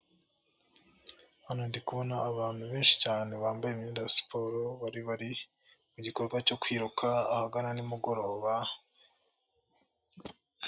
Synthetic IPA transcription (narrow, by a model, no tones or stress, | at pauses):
hanondikuβo̞naːβaːn̥huβeːnʃi̥caːne̞βaːmbajemɲidasi̥pʰoɾo̞βaɾiβaɾi | muɟiko̞ɾɡwaco̞kwiːɾukʰaːhaɡananimuɡo̞ɾo̞ːβa